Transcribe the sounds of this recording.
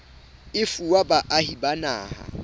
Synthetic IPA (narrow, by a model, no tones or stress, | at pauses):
ɪfuwabaʔahibana̰ːha̰